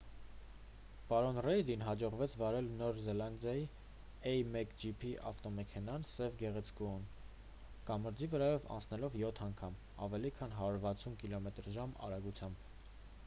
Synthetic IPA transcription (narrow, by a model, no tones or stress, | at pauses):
pɑɾɔnrɛjd̪inɦɑd͡ʒɔʁvɛt͡sʰvɑɾɛlnɔɾzɛlɑnd̪jɑji | ɛjmɛkd͡ʒipʰiʔɑ̰ft̪ɔmɛkʰɛnɑnsɛvɡɛʁɛt͡sʰkuun | kɑməɾd͡zivəɾɑjɔvɑ̰nt͡sʰnɛlɔvjɔt̪ʰɑŋkʰɑm | ɑ̰vɛlikʰɑnɦɑɾuɾvɑt͡sʰunkilɔmɛt̪ɾʒɑmɑ̰ɾɑɡut͡sʰjɑmb